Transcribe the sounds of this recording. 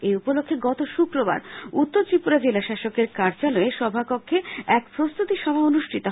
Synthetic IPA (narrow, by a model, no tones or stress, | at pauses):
eupolokʰːeɡɔt̪oʃukɾoba̰ɾut̪ːoɾt͡ɕɾipuɾad͡ʑelaʃaʃokeɾkaɾd͡ʑalɔeʃɔbʱakokʰːeɛkpɾost̪ut̪iʃɔbʱaonuʃʈʰit̪o